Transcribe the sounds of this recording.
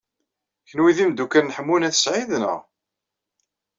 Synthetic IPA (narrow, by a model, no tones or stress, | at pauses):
çənwiðimd̪ukænːəħəmːunæθə̥sʕiðnə̰ʁ